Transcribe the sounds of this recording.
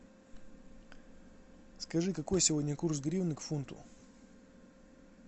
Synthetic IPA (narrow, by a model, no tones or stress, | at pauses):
skɐʐɨkɐko̞jsʲɪvo̞dʲnʲəkursɡɾʲivnɨkfunt̪ʊ̰